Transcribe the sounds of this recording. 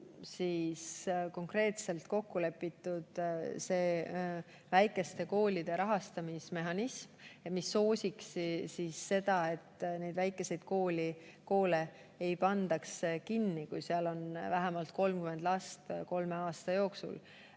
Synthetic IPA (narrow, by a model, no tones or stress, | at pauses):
sisko̞ŋkre̞ːt̪se̞lt̪ko̞kːule̞pːˑit̪ːˑud̪̥se̞ː | væjkːˑe̞st̪e̞ko̞ːlʲid̪̥e̞ɾɑɦɑst̪ɑmisme̞ɦɑnismmisːo̞ːsʲikssisːe̞d̪̥ɑe̞t̪ːne̞jd̪væjkːˑe̞se̞jd̪̥̚ko̞ːlʲiko̞ːle̞ | ejpɑnd̪̥ɑkskinːikujseɑlo̞nvæɦæmɑlt̪̚ko̞lmkyme̞nd̪̥lɑst̪ko̞lme̞ɑːst̪ɑjo̞ːksṵl